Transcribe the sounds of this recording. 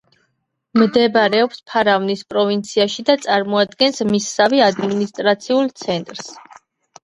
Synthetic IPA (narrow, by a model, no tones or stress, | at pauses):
md̪ɛbɾɛɔpspʰaɾavnispʼɾɔvint̪sʰiaʃid̪at̪sʼaɾmɔad̪ɡɛnsmisːaviad̪minist̪ʼɾat̪sʰiulˠt̪sʰɛnt̪ʼɾs